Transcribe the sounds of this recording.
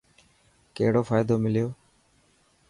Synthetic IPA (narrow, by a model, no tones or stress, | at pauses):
keɦɪɽoːfaːjd̪oːmɪlɪjoː